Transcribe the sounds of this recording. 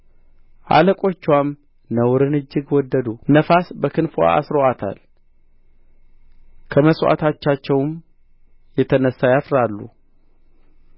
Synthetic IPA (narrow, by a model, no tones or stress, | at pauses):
ʔa̰ləkʼo̞t͡ʃːwam | nəwɾɨnɨd͡ʒːɨɡwɔd̪ːəd̪unəfasbəkʰɨnfua̰a̰sɾoat̪ʰa̰l | kʰəməswʔa̰t̪ʰat͡ʃːat͡ʃːɛwm | jɛt̪ʰənəsːajafɾalːṵ